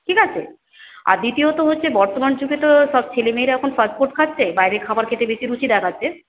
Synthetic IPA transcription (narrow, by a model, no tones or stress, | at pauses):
ʈʰikat͡ɕʰḛ | a̰ɾd̪it̪iot̪oɦotːɕʰebɔɾt̪omand͡ʑuɡet̪oʃɔb̚t͡ɕʰelemejɾaɛkʰonfas̚poɾʈ̪̚kʰatːɕʰebajɾekʰabaɾkʰet̪ɾebeʃiɾut͡ɕʰid̪akʰatːʰe